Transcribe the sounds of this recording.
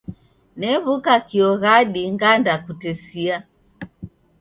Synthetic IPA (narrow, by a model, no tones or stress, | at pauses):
nɛβukakiɔɣaɗiŋɡandakutɛsia